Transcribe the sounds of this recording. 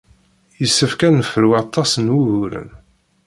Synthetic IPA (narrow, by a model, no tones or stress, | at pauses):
jəsːəfkænəfəɾuwɑt̪ˤːɑsənwuɣuɾə̰n